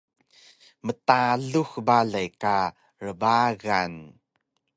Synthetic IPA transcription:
mətaɮuxbaɮajka | rəbaɣan

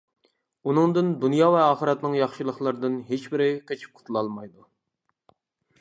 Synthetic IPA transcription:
unɨŋd̪ɨnd̪unjɑvɛɑːχəɾɛt̪nɨŋjɑχʃilˠəχlˠɨɾd̪ɨnɦet͡ʃbɪɾɪkʲʰet͡ʃʰi̥p̚qʰʊ̥t̪ʰulˠɑlˠmɑjd̪u

